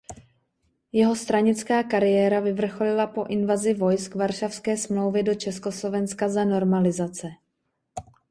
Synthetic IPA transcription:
jɛɦo̞st̪ɾaɲɪt͡skaːkaɾɪjɛːɾavɪvr̩xolɪlapo̞ʔɪnvazɪvo̞jskvaɾʃafskɛːsmlo̞wvɪdo̞t͡ʃɛskoslo̞vɛnskazano̞ɾmalɪzat͡sɛ

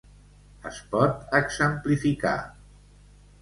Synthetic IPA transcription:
əspɔt̪əɡzəmplifika̰

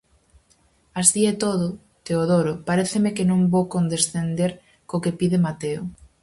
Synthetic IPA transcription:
asðiet̪oðʊ | t̪eoðoɾʊpaɾeθemekenõŋbokond̪esθend̪eɾ | kokepiðemat̪eo

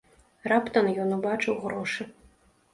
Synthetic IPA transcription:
rapt̪ɐnjɔnubaʈ͡ʂɨwʁɾoʂɨ

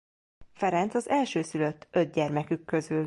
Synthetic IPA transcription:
fɛɾɛnt̪sɒzɛlʃøːsylø̞t̪ʰːø̞d̪̚ɟɛrmɛkykːø̞zyl

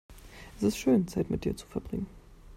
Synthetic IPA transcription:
ʔɛstɪstʃøːnt͡saɪtmɪt̚d̥iːɐt͡su̥fɛɐbʁɪŋən

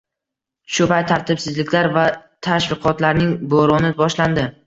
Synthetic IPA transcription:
ʃʊpaj̚t̪ʰaɾt̪ʰɪpsɪzlɪkʲlaɾvat̪ʰaʃvɪqʰɒt̪laɾnɪŋboɾɒnɪbɒʃland̪ɪ

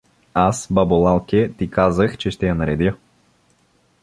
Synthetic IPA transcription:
asbɐbolˠalˠkʲɛt̪ikazəxt͡ʃɛʃt̪ɛjɐnɐɾɛd̪ʲjə

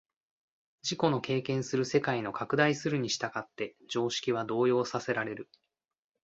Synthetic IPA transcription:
d͡ʑiko̞no̞ke̞ːkẽ̞ɰ̃sɨɾɯ̟se̞kaino̞kakɯ̟d̪aisɨɾɯ̟ɲ̟iɕi̥t̪aɡat̪ːe̞d͡ʑo̞ːɕi̥kʲiβ̞ad̪o̞ːjo̞ːsase̞ɾaɾe̞ɾɯ̟

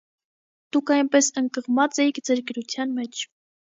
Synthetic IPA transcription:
d̪̥ukʰɑjnpɛsəŋkəʁmɑt͡sɛjikʰd͡zəɾkəɾut͡sʰjɑnmɛt͡ʃʰ

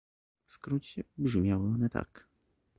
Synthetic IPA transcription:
fskɾut͡ɕɛbʐmʲjawɘɔnɛt̪a̰k

